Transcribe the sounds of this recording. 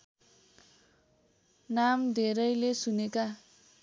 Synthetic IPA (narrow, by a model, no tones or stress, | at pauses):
namd̪ʱeɾʌjlesuneka